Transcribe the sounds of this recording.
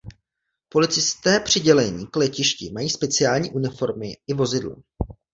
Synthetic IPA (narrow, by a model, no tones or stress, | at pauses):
po̞lɪt͡sɪst̪ɛːpr̝̥ɪɟɛlɛɲiːklɛcɪʃcɪmajiːspɛt͡sɪaːlɲḭːʔunɪfo̞ɾmɪʔɪvo̞zɪdlɛ̰